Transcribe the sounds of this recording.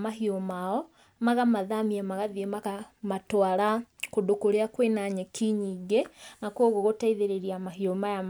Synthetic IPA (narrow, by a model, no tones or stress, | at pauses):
mahiomaɔ | maɣamaðamiamaɣaðiemakamatwaɾakodokoɾeakwenaɲɛkʰiɲiːɡenakwoɣoɣotaiðeɾeɾiamaɦiomajam